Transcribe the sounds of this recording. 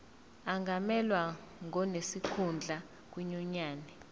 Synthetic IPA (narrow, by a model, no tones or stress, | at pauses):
aŋɡʱamɛlwa | ŋʱɔnesikʰund͡ɮʱa | k̬ʼwiɲɔɲaːnɛ